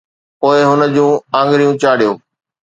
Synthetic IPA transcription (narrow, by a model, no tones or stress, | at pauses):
poːɪɦʊnə̆d͡ʑũːãːŋɡɾijũt͡ɕaːɽijoː